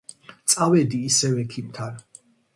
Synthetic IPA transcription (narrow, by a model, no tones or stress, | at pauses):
t̪sʼavɛd̪iːsɛvɛkʰimt̪ʰan